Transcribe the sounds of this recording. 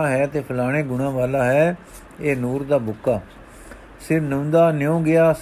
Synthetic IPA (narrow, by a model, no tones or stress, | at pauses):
ɦɛːt̪eːpʰəlaːɽ̃eːɡʊɽ̃ãːʋaːlaːɦɛː | eːnuːɾd̪aːbʊkːaː | sɪɾnənd̪aːnɪjõːɡɪaːs